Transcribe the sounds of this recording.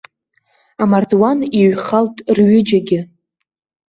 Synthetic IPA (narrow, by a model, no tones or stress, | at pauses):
amardwaniɥχaltʼrɥʏd͡ʒaɡʲɪ